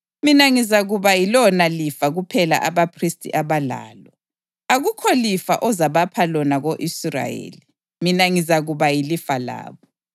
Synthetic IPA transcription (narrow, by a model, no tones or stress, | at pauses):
minaŋizaɣuβajilɔnalifaɣupʰɛla̰ʔaβapʰristʰʼḭʔaβala̰ːlɔ | aɣukʰɔlifa̰ʔɔzaβapʰalɔnaɣoʔisra̰jḛːli | minaŋizaɣuβajilifala̰ːβɔ